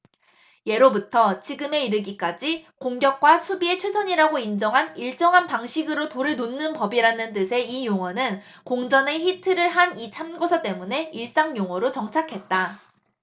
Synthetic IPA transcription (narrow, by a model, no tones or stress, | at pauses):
je̞ɾobutʰʌt͡ɕiɡɯme̞iɾɯɡik͈ad͡ʑikoŋɡjʌk̚k͈wasʰubie̞t͡ɕʰwe̞sʰʌɲiɾaɡoind͡ʑʌŋɦaniɭt͡ɕ͈ʌŋɦanpaŋɕʰiɡɯɾotoɾɯɭnonːɯnpʌbiɾanɯnt͈ɯsʰe̞ijoŋwʌnɯnkoŋd͡ʑʌne̞çitʰɯɾɯɭɦanit͡ɕʰamɡosʰʌt͈e̞mune̞iɭs͈aŋjoŋwʌɾot͡ɕʌŋt͡ɕʰakʰe̞t̚t͈a